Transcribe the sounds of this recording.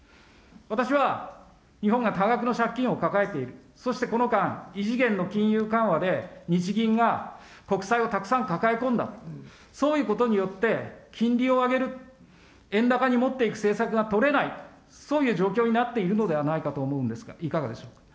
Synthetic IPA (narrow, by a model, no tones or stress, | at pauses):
βat̪aɕiβa | ɲ̟iɦõ̞ŋɡat̪aɡakɯ̟no̞ɕakʲːĩɰ̃o̞kakae̞t̪e̞iɾɯ̟ | so̞ɕi̥t̪e̞ko̞no̞kãɰ̃iʑiɡẽ̞nːo̞kʲĩɰ̃jɯ̟ːkãɰ̃βad̪e̞ɲ̟it͡ɕiɡʲĩŋɡa | ko̞kɯ̟̥saio̞t̪akɯ̟̥sãŋkakae̞kõ̞nd̪a̰ | so̞ːjɯ̟ːkot̪o̞ɲ̟ijo̞t̪ːe̞kʲʰĩnɾʲio̞aɡe̞ɾɯ̟ | ẽ̞nd̪akaɲ̟imo̞t̪ːeikɯ̟̥se̞ːsakɯ̟ɡat̪o̞ɾe̞nai | so̞ːjɯ̟ːʑo̞ːkʲo̞ːɲ̟inat̪ːe̞iɾɯ̟no̞d̪e̞β̞anaikat̪o̞ːmo̞ɯ̟̃nd̪e̞sɨ̥ɡa̰ikaɡad̪e̞ɕo̞ːkḁ